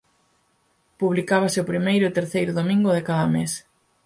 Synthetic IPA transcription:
puβlikaβ̞asɪʊpɾimejɾʊet̪eɾθejɾʊðomĩŋɡʊðɪkaðɐmes

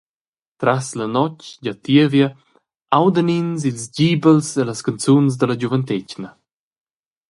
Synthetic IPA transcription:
t̪ɾaslɐnɔt͡ʃɟat̪iəvjə | awd̪ənins̬ilzd͡ʑibəlseləskant͡suns̬d̪əlɐd͡ʑuvənt̪ecnə

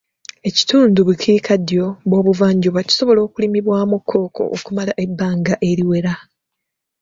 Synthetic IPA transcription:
e̞ci̥tuːnduβucʰiːkʰadjo̞βwo̞ːβuvaːɲɟoβaci̥so̞βo̞lo̞ːkulimiβwaːmukʰːo̞ːkʰo̞̰ʔo̰kumalaʔe̞bːaːŋɡaʔe̞ɾiwe̞ɾa

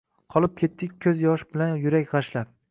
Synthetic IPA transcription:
qʰɒlˠɪp̚kʲʰe̞t̪ːɪkʲkʰɵzjɒʃbɪlanjʊɾakʲʁɑʃlap

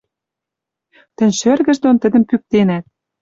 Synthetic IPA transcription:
t̪ə̆nʲʃørɣə̆ʒd̪ont̪ə̆d̪ə̆mpyk̚t̪enæt̪̚

